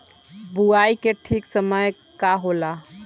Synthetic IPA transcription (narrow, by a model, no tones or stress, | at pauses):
buaikeʈʰiksəməj | kaɦola